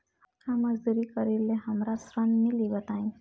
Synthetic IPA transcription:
kʰaməzd̪uɾikəɾileɦəmɾasɾənmilibət̪aĩ

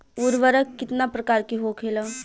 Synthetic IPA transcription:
ʊɾʋəɾəkːɪt̪napɾɐkaːɾkiɦoːkʰela

